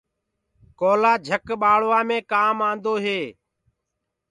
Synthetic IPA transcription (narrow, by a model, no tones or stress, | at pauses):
koːlaːd͡ʒʱəkɓaːɭʋaːmẽːkaːmãːnd̪oːɦeː